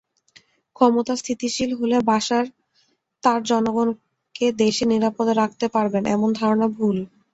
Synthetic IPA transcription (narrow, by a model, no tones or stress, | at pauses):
kʰɔmot̪ast̪ʰit̪iʃilɦolebaʃaɾ | t̪aɾd͡ʑɔnoɡon | ked̪eʃeniɾapod̪ɾak̚ʰt̪epaɾbenʔɛ̰mond̪ʱaɾonabʱul